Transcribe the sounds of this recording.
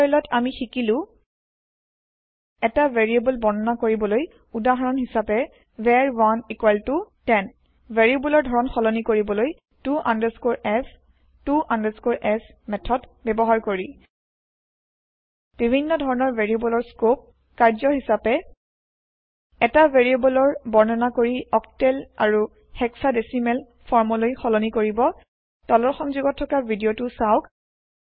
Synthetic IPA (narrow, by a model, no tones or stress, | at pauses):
jlɔtʰamixikilʊ̃ | ɛtaveɹiebulbɔnɔnakoɹibɔloj | udaɦɔɹɔnɦisapɛ | veaɹwanikwaltutɛn | veɹiebulɔɹdʱɔɹɔnxɔlɔnikoɹibɔloj | tua̰ndɛskoɹɛs | tuãndɛskoɹʔɛsmɛtʰɔdbɛbɔɦaɹkoɹi | b̥ibʱinːɔdʱɔɹɔnɔɹveɹiebɔlɔɹskop̚ | kaɹzɔhisapɛ | ɛtaveɹiebɔlɔɹbɔɹnɔnakoɹiɔk̚tɛlaɹu | xɛksadesimɛl | fʰɔɹmɔlojxɔlɔnikoɹibɔ | dɔlɔɹxɔŋzuɡɔtʰːɔkabʱidiotʊsaʊk